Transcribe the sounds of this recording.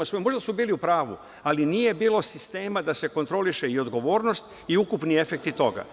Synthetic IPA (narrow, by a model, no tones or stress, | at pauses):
osʋojmo̞ʒd̪asubiːliupɾaːʋu | alinije̞biːlˠo̞sist̪e̞ːmad̪ase̞ko̞nt̪ɾo̞liʃe̞io̞d̪ɡo̞ʋo̞ːɾnost̪ | iukupnie̞fe̞kt̪it̪o̞ɡa̰